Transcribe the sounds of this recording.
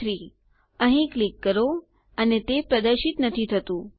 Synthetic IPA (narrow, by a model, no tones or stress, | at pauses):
ɾi | əɦĩklikːəɾo | ənet̪epɾəd̪əɾʃɪt̪nət̪ʰit̪ʰət̪ũ